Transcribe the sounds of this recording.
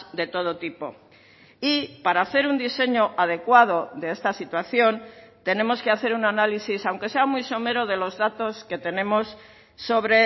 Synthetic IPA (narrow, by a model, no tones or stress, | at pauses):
d̪e̞t̪o̞ðot̪ipo̞̰ | ipaɾaːθe̞ɾund̪ise̞ɲo̞ʔað̞e̞kwað̞o̞ðe̞est̪asit̪waθjo̞nt̪e̞nẽ̞mo̞ske̞aθe̞ɾunanalisisawŋke̞se̞amuijso̞me̞ɾo̞ð̞e̞lo̞zðat̪o̞ske̞t̪e̞nẽ̞mo̞sː | o̞βɾe